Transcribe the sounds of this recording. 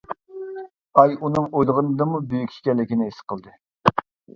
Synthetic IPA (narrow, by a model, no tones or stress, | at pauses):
ɑjunɨŋojlˠəʁənɨd̪ɨmubøjykʲʃi̥kʲɛlːɪkʲinɪesɨ̥qʰəlˠd̪ɨ